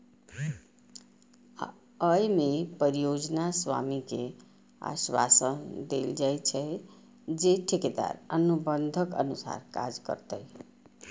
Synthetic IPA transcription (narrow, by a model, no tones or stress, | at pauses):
əjmepəɾijod͡ʒnaswa̰mike | a̰swa̰sənd̪eld͡ʒajt͡ʃʰɛ | d͡ʒeʈʰiked̪a̰ɾənubənd̪ʱəkə̰nusa̰ɾka̰d͡ʒkə̰ɾt̪əj